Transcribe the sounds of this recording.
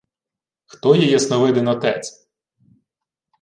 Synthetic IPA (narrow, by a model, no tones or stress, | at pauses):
xt̪ɔjɛjɛsnɔʋɪd̪ɪnɔt̪ɛt͡sʲ